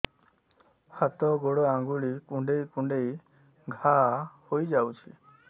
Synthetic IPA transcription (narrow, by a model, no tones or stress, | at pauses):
hat̪ɔɡoɽɔaŋɡuɭikuɳɖejkũɳɖej | ɡʱahojd͡ʒawt͡ʃʰḭ